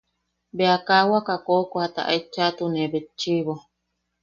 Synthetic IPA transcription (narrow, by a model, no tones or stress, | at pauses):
beakawakakokohat̪a̰ʔait͡ʃːat̪unebet͡ʃiβo